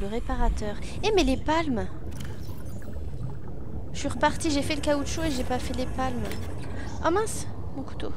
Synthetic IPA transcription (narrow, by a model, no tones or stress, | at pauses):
ləʁepaʁat̪œːʁ | ɛmɛlepalm | ʃiʁəpaʁt̪iʒefɛləkaod̪ʃoeʒepafɛlepalm | ɔmɛ̃s | mɔ̃ku̥t̪o